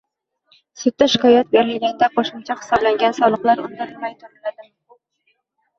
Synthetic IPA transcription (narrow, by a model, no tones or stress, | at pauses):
sʊt̪ːaʃɪ̥kʲɒjat̪̚beɾɪlɪɡʲand̪aqʰoʃɪmt͡ʃʰɑχɨ̥sɒblaŋɡʲansɒlˠɨqlˠaɾʊ̰nd̪ɪɾɪlmajt̪ʰʊɾɪlad̪ɪ